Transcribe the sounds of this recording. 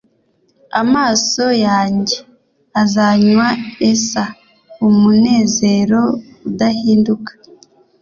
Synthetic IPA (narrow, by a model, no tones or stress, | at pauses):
amaːso̞jaːɲɟe̞ | azaɲwaesa | umune̞ːze̞ɾo̞ | udahiːndukḁ